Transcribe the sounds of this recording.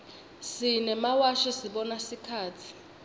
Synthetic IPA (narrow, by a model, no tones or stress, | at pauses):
sinɛmawaʃɔsiɓɔnasikʰaːt͡sʰi̥